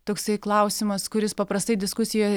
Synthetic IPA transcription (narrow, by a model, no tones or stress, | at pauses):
t̪oːksɐɪklˠɐʊsʲɪmɐskʊɾʲɪspɐpɾɐst̪ɐɪd̪ʲɪskʊsʲɪjoj